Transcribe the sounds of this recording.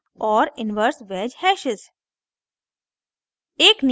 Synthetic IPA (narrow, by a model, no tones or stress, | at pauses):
ɔːɾɪnʋəɾsʋeːd͡ʒhɛʃɪz | eːkn